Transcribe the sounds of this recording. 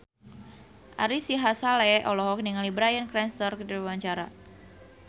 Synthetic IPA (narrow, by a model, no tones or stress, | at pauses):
ʔa̰ɾisiɦasalɛʔɔlɔɦɔk̚niŋalibɾajənkɾɛnst̪ɔrkədiɾwaɲt͡ʃaɾa̰